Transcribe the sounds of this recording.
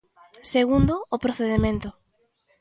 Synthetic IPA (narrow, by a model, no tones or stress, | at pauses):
seɣund̪ʊːpɾoθeðemẽnt̪ʊ